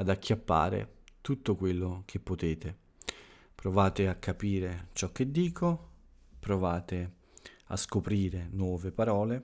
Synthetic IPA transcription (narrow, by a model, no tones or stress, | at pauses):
ad̪akʰʲːjapːa̰ːɾḛt̪ut̪ːokwelːok̟ʰepːot̪eːt̪e | pɾovaːt̪eakʰːapiːɾet͡ʃɔk̟ːed̪ːiːkʰo | pɾovaːt̪ɪ | a̰skopɾiːɾenwɔːvepaɾɔːle